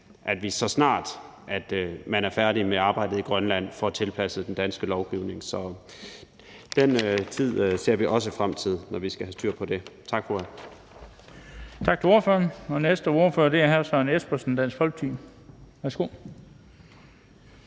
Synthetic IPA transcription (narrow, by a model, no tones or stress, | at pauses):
ʔæd̥ʋisɒ̽snɑ̰̈ːd̥ | ʔæd̥mænæɐfæɐɾimeɑ̈ːb̥ɑ̈ɪdð̩ˠiɡ̥ʁɶnlæn̰fɒæt͡sʰe̝lpʰæsəd̥end̥ænsɡ̥əlɒʊɡ̥iʊne̝ŋsɒ̽ | d̥en̰t͡sʰið̰ˠse̝ɐ̰ʋiʔɒ̽s̬əfʁamt͡sʰið̞̰ˠnɒʋisɡ̥æhæsd̥yɐ̰pʰɒ̽d̥e̝t͡sʰɑ̈ɡ̥foæ | t͡sʰɑ̈ɡ̥t͡sʰeoɐfø̰ɐnɒ̽nesd̥əo̝ɐføɐd̥e̝æɐɦæɐsɑnesb̥ɐsən̩d̥æn̰sɡ̥fɒ̽l̰ɡ̥̚t͡sʰḭːm | ʋæɐsɡ̥o̝̰